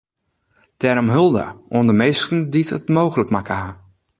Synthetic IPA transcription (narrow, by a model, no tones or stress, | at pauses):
tɛɾɔmɦɵlˠdə̰ʔundəmejstn̩ditətmowɣələkmakʰəa